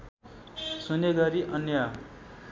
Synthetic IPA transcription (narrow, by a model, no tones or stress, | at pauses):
suneɡʌɾiʔʌnja